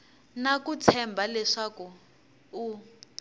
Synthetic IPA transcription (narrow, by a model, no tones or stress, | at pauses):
nakut͡sʰɛmbʱalɛʂakuː